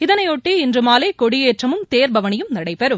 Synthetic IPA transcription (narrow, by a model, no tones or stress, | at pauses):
ɪðɐnɐɪɔʈːiɪndrɯmaːleːkɔɽɪjeːʈrɐmɯmt̪eːɾbɐʋɐɳɪjɯmnɐɽɐɪpːɐɾɯm